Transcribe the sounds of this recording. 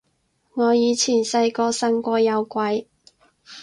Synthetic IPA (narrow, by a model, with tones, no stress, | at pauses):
ŋɔː˨˧jiː˨˧t͡sʰiː˨˩nsɐ˧jkɔː˧sɐ˧˥nkʷɔː˧jɐ˨˧wkʷɐ˨˧j